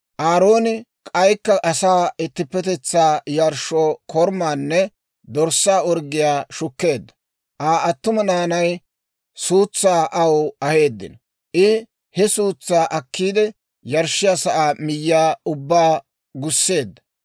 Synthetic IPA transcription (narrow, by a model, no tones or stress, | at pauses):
ʔaːɾo̞ːnɪkʼɐjkːɐʔɐsaːɪt̪ːɪpːɛt̪ɛt͡sːaːjɐɾʃoːkʰɔɾmaːnːɛ | d̪ɔɾsːaːɔɾɡɪjaːʃʊkːe̞ːd̪ːɐ̥ | ʔaːɐt̪ːʊmɐnaːnɐj | suːt͡sːaːʔɐwɐhe̞ːd̪ːɪ̰n | ʔɪ | hɛsuːt͡sːaːʔɐkːiːd̪ɛ | jɐɾʃːɪjasɐʔaːmɪjːaːʊbːaː | ɡʊsːe̞ːd̪ːɐ